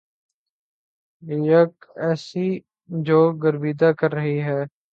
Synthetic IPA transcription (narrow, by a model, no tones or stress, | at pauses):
jəkɛːsiː | d͡ʒoːɡəɾbiːd̪akəɾːəɦiɦɛː